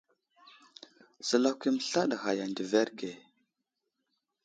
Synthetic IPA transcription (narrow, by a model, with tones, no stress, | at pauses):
sə˨la˦kʷi˦mə˦˨ɬa˦ɗa˨xa˨ja˨ndi˨ve˦ɾɡe˨